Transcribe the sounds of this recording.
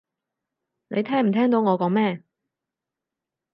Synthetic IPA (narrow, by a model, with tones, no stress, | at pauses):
nḛ˨˧jt̪ʰɛː˥ŋm̩˨˩t̪ʰɛː˥ŋt̪o˨˧wŋɔː˨˧kɔː˨˥ŋmɛː˥˩